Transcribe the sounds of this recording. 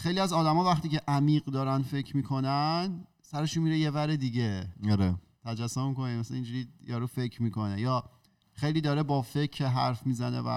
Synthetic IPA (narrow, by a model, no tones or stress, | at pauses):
xejliæzɒːd̪æmɒːvæχt̪iːceʔæmiːɢd̪ɒːɾænfe̞cʰɾmiːkʰo̞næn | sæɾe̞ʃunmiːɾeje̞væɾe̞d̪iːɟeɒɾe | t̪ʰæd͡ʒæsːomikonemæsæiːnd͡ʒuːɾiːjɒːɾuːfe̞cʰɾmiːko̞nejɒː | xejliːd̪ɒːɾebɒːfecʰeɦæɾfmiːzænḛvæ̰